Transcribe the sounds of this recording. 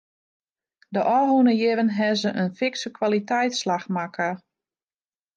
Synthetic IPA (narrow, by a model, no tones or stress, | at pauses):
dəʔɔːɦunəjɪvənɦɛzəʔənfɪksəkwalitɛjtslaxmakʰə